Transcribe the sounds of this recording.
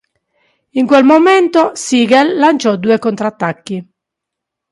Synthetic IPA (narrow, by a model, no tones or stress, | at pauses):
iŋkwɛlmomɛnt̪ɔsiːɡɛlːant͡ʃɔd̪uːekont̪ɾat̪ːakːi